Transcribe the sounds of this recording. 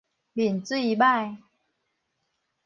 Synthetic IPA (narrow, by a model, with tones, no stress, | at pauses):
li˨˩nt͡si˥˧ba˥˧j